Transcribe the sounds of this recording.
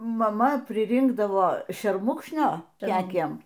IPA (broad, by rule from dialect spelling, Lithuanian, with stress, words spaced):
mɐˈmɐ pʲrʲɪˈrʲɪŋɡdɐʋoː ʃʲɛrˈmʊkʃʲnʲoː ˈkʲæːkʲiɛm